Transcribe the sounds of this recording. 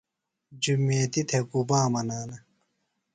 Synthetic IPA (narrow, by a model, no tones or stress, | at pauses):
d͡ʑumeːt̪it̪ʰekubaːmɐnaːnɐ